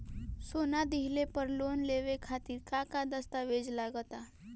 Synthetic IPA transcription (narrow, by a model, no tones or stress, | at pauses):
sonad̪iɦilepəɾlonleʋekʰat̪iːɾkakad̪əst̪aʋed͡zlaɡət̪a